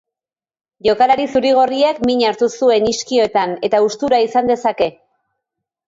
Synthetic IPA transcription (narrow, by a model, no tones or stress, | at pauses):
ʝo̞kalaɾisuɾiɣ̞o̞riakmiɲaɾt̪usue̞niskio̞t̪ane̞t̪aust̪uɾaisand̪e̞sake̞